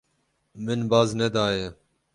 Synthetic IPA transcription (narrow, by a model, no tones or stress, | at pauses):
mɨnbaːznɛd̪aːje